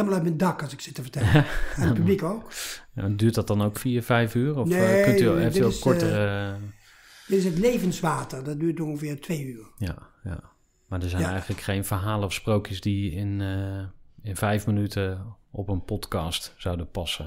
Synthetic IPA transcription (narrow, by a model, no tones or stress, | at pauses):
lmalˠœt̚mɛndɑkɑsɪksɪtəvəɹtɛlanpyblikowkja̰dyːɹtdɑt̚dɑnowkfiːɹvɛjfyːrɔfekɵtyɛftkɔɹtəə | d̥ɪtɪsətlejvənsʋaːtərdɔt̚dyːtõŋxəvɪːrtʰʋejyːrja̰ja̰ | maːdəɹzɛjnɛjχənləkχejnvərɦaːləɔfsprowkjəsdiɪn | ɪnvɛjfmənytʰəʔɔpənpɔtkɑːstsawdəpɑsə